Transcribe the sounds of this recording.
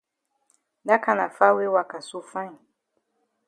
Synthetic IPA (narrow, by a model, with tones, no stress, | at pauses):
da˦ka˨na̰˨fa˦we˦wa˨ka˨su˦fã˦i˨